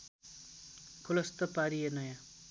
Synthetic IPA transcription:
kʰolʌst̪ʌpaɾienʌjã

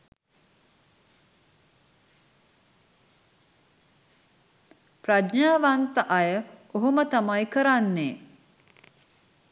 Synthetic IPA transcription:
prad̪ɲaːʋant̪əʔajəoɦomət̪amajkəɾanːeː

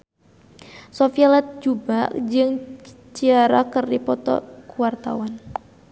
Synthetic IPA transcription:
sɔfialɛt̪̚d͡ʒubad͡ʒɨŋ | t͡ʃiaɾakərdipɔt̪ɔ̰kuwart̪a̰wan

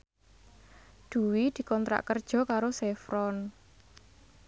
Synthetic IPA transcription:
d̪̥ṳwid̪̥i̤kɔnt̪ɾa̰ʔkərd̥ʒ̥ɔ̤kaɾosɛfɾɔn

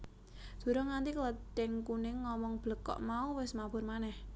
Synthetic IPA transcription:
d̪̥ṳɾɔŋant̪ikələtɪŋkunɪŋːɔmɔŋb̥ləkɔ̰ʔmauwɪsmab̥ʊrmanɛh

